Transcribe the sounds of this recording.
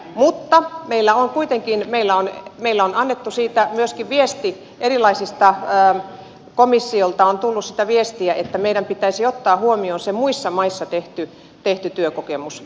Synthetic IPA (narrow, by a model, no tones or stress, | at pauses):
mut̪ːɑmeilːæoŋkuit̪eŋkinmeilːæonmeilːæonɑnːet̪ːusiːt̪æmyøskiʋʋiest̪i | ʔeɾilɑisist̪ɑː | komisːiolt̪ɑont̪ulːussit̪æʋiest̪iæet̪ːæmeiɾæmpit̪æisiot̪ːɑːhuomionsemuisːɑmɑisːɑt̪eht̪y | t̪eht̪yt̪yøkokemus